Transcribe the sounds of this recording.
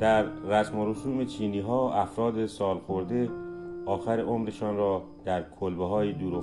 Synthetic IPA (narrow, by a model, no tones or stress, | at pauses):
d̪̥æɾːæsmoɾoʃuːmet͡ʃʰiːniːɦɒːæfɾɒːd̪esɒːlxoɾd̪e̞ɒːxæɾeʔomɾe̞ʃɒːnrɒː | d̪̥æɾkʰolbeɦɒːjid̪uːɾo